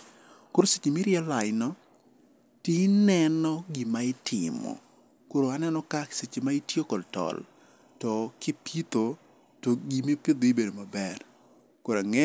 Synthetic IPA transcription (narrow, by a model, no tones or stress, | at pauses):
koɾoset͡ʃimiɾjalaɪnɔ | tinɛnɔɡimaɪtʰɪmɔ̰ | koɾoanɛnɔkaset͡ʃemaitjokɔltɔ̰l | tɔkɪpit̪o | toɡimipɪd̪oibedomabɛr | koɾaŋɛ